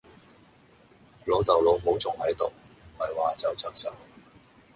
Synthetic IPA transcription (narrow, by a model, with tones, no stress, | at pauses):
lo˨˧wt̪ɐ˨wlo˨˧wɦo˨˥wt͡sʊ˨˩ŋhɐ˨˥jt̪o˨w | mɐ˨˩jwaː˨t͡sɐ˨wt͡sɐ˥k̚sɐ̰˨˩w